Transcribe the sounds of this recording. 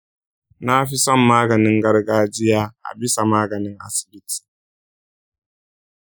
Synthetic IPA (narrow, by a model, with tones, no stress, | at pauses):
na˦ɸi˦sɔ˦mːaː˦ɡɐ˨nɪ˦ŋɡɐ˦rɡaː˦d͡ʒɪ˦jaː˦ʔa̰˨bɪ˦sa˨maː˦ɡɐ˨nɪ˦ŋʔa̰˦sɪ̥˨bɪ˦ti̥ː˨